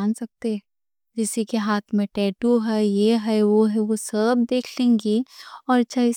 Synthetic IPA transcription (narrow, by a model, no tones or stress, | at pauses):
aːnsɐk̚t̪e | d͡ʒɪsikeɦaːt̪ʰmẽʈɛːʈuɦɛjeɦɛʋoɦɛʋosəb̚d̪eːkʰlẽːŋɡiɔːɾt͡ʃʰːaɪ